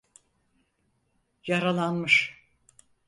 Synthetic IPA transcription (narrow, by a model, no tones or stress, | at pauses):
jaɾalˠanmɯʃ